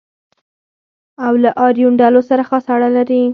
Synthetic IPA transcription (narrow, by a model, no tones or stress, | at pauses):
awlaʔɑɾijuɳɖalosaɾaxɑsaɽalaɾi